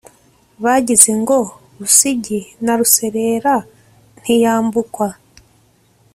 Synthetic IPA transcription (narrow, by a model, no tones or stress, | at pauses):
βaɟize̞ŋɡo̞ | ɾusiɟinaɾuse̞ɾe̞ːɾa | n̥hijaːmbukwa